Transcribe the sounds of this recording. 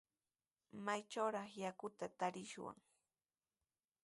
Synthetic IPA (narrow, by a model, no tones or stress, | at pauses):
majt͡ʃawɾɑχjakʊt̪at̪aɾɪʃwa̰ŋ